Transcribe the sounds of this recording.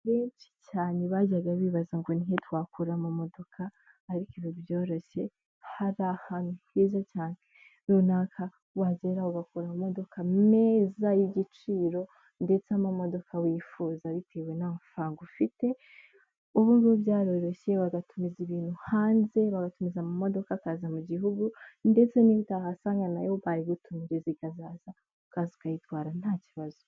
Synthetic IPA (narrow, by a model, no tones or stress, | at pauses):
βeːnt͡ʃi̥caːneβaɟaɡaβiːβazaŋɡoniɦetwakuɾamamo̞do̞kʰaː | ɾikiβiβjo̞ːɾo̞ɕe̞ | haɾahanuhezacaːne | ɾunaːkʰa | wazeɾauɡakuɾamumo̞do̞kʰame̞ːzajiɟit͡ʃiːɾo̞ | nde̞t͡samamo̞do̞kʰawiːfuːzaβitʰe̞we̞namfaːŋɡufite̞ | uβunɡoβjaːɾo̞ɾo̞ɕe̞βaɡatumiziβiːn̥huhaːnze̞βaɡatumizamamo̞do̞kakazamuɟiɦuɡunde̞t͡se̞niβitaɦasaːŋɡana̰joβaɾiβutumiɾe̞zikazaːz̥a | ukazukajitwaːɾan̥haːciβazu